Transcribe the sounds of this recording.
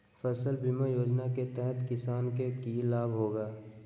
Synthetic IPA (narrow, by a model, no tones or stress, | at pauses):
fəsəlbimajoːd͡ʒnaket̪ɛɦɛt̪kɪsaːnkekiːlaːbʱɦoːɡaː